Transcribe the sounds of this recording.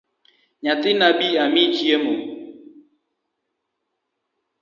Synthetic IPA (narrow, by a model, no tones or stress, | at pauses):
ɲatɪnabiamit͡ʃiemʊ